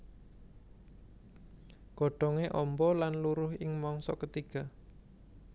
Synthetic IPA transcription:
ɡ̥ɔ̤ɖ̥ɔŋeʔɔmbɔlanluɾʊhɪŋmɔŋsɔkət̪iɡ̥a̤

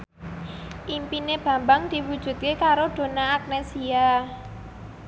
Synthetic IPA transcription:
ʔimpineb̥ä̤mbaŋd̪̥i̤wud̥ʒ̥ṳt̪̚kekaɾoɖ̪̥o̤naːk̚nesia

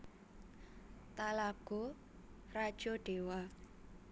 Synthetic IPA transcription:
t̪alaɡ̥o | rad̥ʒ̥oɖ̥ewa

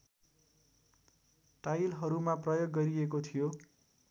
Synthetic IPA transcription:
ʈajlɦʌɾumaprʌjoɡːʌɾiekot̪ʰijo

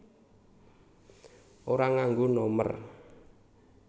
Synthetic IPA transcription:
ʔoɾaŋaŋɡonɔmə̰r

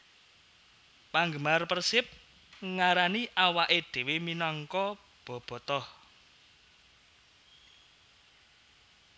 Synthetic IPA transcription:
paŋɡəmarpərsɪp̚ | ŋaɾaniʔawaʔed̪̥e̤weminɔŋkɔ | b̥ɔ̤b̥ɔ̤t̪ɔh

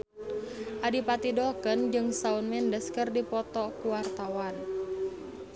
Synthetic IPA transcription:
ʔadipat̪idɔkənd͡ʒɨŋsaunmɛndəskɨrdipɔt̪ɔkuwart̪awan

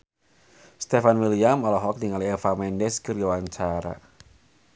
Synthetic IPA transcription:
st̪efanwiliamɔlɔɦɔk̚niŋaliefamɛndɛskərjawaɲt͡ʃaɾa̰

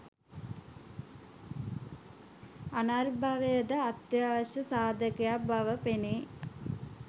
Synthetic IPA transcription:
anaːrbʱaʋejəd̪əat̪jaːʋəɕɐsaːd̪ʱəkɐjabɐʋəpeneː

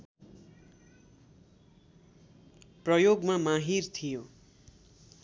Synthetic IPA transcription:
prʌjoɡmamaɦirt̪ʰijo

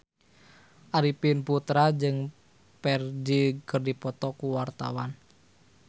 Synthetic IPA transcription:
ʔaɾipinput̪ɾad͡ʒɨŋ | pɛrd͡ʒikərdipɔt̪ɔkuwart̪a̰wan

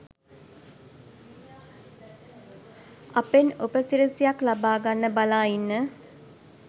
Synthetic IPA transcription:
apenupəsiɾəsijaklabaːɡanːəbalaːinːə

